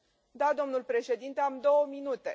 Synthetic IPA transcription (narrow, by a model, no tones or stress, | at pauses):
d̪ad̪o̞mnulpɾe̞ʃe̞d̪int̪eamd̪o̞wəminut̪e̞̰